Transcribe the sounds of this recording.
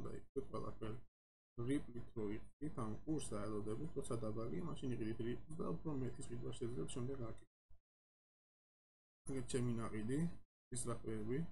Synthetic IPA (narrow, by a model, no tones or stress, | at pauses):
d̪a̰ḭkʼɛqʼwɛ̰lˠa̰pʰɛɾi | ʁipʼlit̪ʰɾɔiqʼid̪it̪ʰankʼuɾsaɛlˠɔd̪ɛbit̪ʰɾɔt̪sʰad̪abaliamaʃiniqʼid̪it̪ʰɾipʼlˠsd̪a̰upʰɾɔmɛt̪ʼisʁid̪waʃɛd̪zlɛpsʃɛmd̪ɛɡakʼit̪ʼɛ | t͡ʃʰɛminaqʼili | isɾakʼwɛɾbi